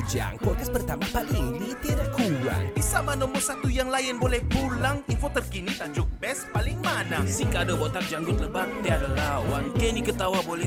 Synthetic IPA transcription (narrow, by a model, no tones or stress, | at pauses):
d͡ʒa̰ŋpɔkaspərt̪amapaliŋlit̪iɾakuwa̰nbisamanɔmɔrsat̪ujaŋlajənbolɛhpulaŋinfot̪ərkinit̪ad͡ʒʊk̚bɛspalɪŋmanaŋsiŋkaːdabot̪ak̚d͡ʒaŋɡʊt̪̚ləbat̪iaɾalawankɛnikət̪awabolɛ